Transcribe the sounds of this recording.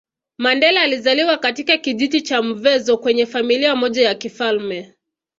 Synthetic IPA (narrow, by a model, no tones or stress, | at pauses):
mandɛlaːlizaliwakatikakiʄitit͡ʃam̩vɛzɔkwɛɲɛfamiliamɔʄajakifalmɛ